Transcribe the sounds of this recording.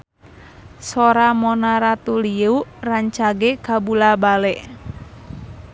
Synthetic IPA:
sɔɾamɔnaɾat̪uliuraɲt͡ʃaɡɛkabulabalɛʔ

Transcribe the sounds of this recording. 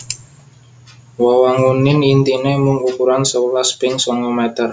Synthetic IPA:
wawaŋunɪnint̪inemuŋukuɾansəwulaspɪŋsɔŋɔmɛt̪ər

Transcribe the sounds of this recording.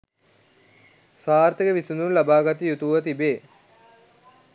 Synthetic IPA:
saːrt̪ikəʋisununlɐbaːɡɐt̪ːijut̪uʋɐt̪̬ibeː

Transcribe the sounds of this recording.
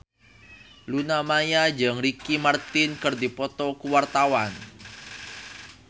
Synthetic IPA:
lunamajad͡ʒaŋɾikimart̪ɪnkɨrd̪ipɔt̪ɔkuwart̪awan

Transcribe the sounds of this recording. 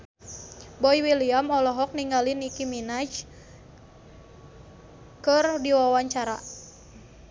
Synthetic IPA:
bɔjwiliamɔlɔɦɔk̚niŋɡalinikiminad͡ʒ | kərdiwawaɲt͡ʃaɾa̰

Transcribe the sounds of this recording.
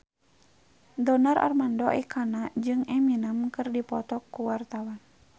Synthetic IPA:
dɔnaɾʔa̰rmandɔʔɛkʰanad͡ʒɨŋɛminəmkɨrdipɔt̪ɔkːuwart̪awan

